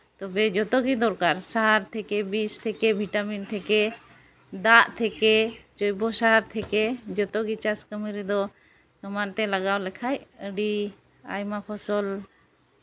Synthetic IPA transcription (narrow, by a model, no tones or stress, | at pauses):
t̪ɔbɛd͡ʒɔt̪ɔɡid̪ɔɾkaɾsaɾt̪ʰɛkɛbist̪ʰɛkɛbʱiʈamint̪ʰɛkɛ | d̪aʔt̪ʰɛkɛt͡ʃɔjbɔsaaɾt̪ʰɛkɛd͡ʒɔt̪ɔɡit͡ʃaskəmiɾid̪ɔ | sɔmant̪ɛlaɡawlɛkʰajəɖi | a̰jmapʰɔsɔl